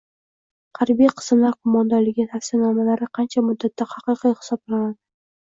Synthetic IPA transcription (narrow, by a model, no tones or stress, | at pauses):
hɑɾbijqʰɨ̥smlaɾqʰʊmɒnd̪aɾlɪɡʲɪafʲsɪnɒmalaɾɪqʰɑnt͡ʃʰamʊd̪ːat̪ʰːahɑqɨqijhɪ̥sɒblanad̪ɪ